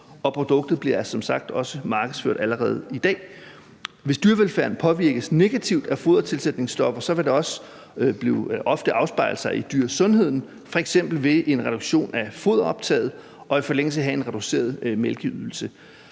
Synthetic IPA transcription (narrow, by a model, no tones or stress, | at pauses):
ɒ̽pʰʁo̝d̥ɔ̽ɡ̥̚d̥ð̩ˠb̥liɐsɒ̽msɑ̈ɡ̥̚d̥ɒ̽səmɑ̈ːɡ̥əðˠsføɐ̰d̥æləʁɛ̰ːð̞̩ˠid̥ɛ̰ː | ʋe̝sd̥yːɐʋelfæɐn̩pʰɒ̽ʋiɐ̰ɡ̥əsne̝ɡ̥æt͡sʰiʊ̰d̥æfo̝ːðˠɐt͡sʰe̝lsed̥ne̝ŋsd̥ɒ̽fɐsɒ̽ʋe̝d̥e̝ɒ̽s | b̥lḭʔɒ̽fd̥əʔɑ̈ʊsb̥ɑ̈ɪl̩ˠsɑ̈ɪid̥yːɐ̰sɔ̽nɦe̝ð̰ˠn̩ | fɒ̽eɡ̥sem̰b̥l̩ʋe̝ʔe̝nʁɛɾ̥oɡ̥ɕo̝̰ːnæfo̝ð̞ˠɐɒ̽b̥t͡sʰɛ̰ːð̞̩ˠ | ʔɒ̽ifɒ̽leŋ̰l̩səæɦæe̝nʁɛd̥use̝̰ːɐðˠmelɡ̥əyðˠl̩sə